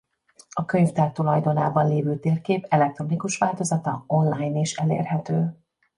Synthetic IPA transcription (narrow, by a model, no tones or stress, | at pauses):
ɒkøɲvd̪ɛrt̪ulɒjd̪o̞naːbɒnleːvøːt̪eːrkeːpɛlɛk̚t̪ro̞nikuʃʋaːlt̪o̞zɒt̪ɒo̞nlaːjniʃɛlḛːrɦɛt̪øː